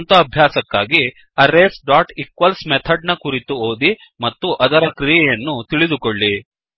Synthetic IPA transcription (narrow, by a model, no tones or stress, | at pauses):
nt̪ɐːbʱjaːsɐkːaːɡi | ɐɾːeːsɖaːʈikʋɐlsmet̪ʰɐɖnɐkuɾit̪uoːd̪i | mɐt̪ːuʔɐd̪ɐɾɐkɾijɛjɐnːut̪iɭid̪ukoɭːi